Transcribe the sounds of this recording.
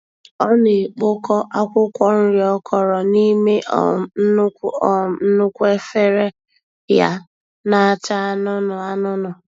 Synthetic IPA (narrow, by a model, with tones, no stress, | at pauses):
ɔ˦ne˨k͡po˦kɔ˦ʔa˦kʷʊ˦kʷɔ˦n̩˦ɾi˨ɔ˦kʰɔ˨ɾɔ˨ni˦me˦ʔ | n̩˦nʊ˦kʷe˦fe˦ɾe˦ | ja̰˦ | na˦a˦ta˦a˦nʊ˦nʊ˨a˦nʊ˦nʊ˨